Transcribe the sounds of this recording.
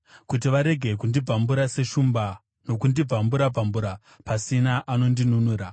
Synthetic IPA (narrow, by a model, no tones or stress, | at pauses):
kut̬iʋaɾe̞ɡʱe̞kundib͡vʱambuɾase̞ʃumba | no̞kundib͡vʱambuɾab͡vʱambuɾa | pasinaʔano̞ndinunuːɾa